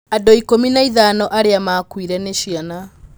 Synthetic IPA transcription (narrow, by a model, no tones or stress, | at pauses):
adoikominaiðanɔʔaɾeamaːkwiɾɛneɕiana